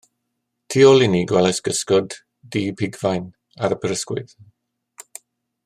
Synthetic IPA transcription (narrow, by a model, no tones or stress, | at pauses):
tʰiːɔlˠɪniɡwɛlajsɡ̥əskɔdː | iːpʰɪɡvajn | aɾəpʰəɾəskwʊ̰ð